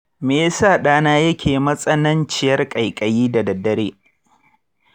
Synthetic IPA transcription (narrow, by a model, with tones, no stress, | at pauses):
meː˨˦saː˦˨ɗaː˦naː˦jɐ˦kʲʰeː˨mɐ˦sʼɐ˦nɐ˦nt͡ʃɪ˨jɐ˦rkʼɐ˨jkʼɐ˨jiː˦dɐ˨dɐ˨dːɐ˦ɽeː˦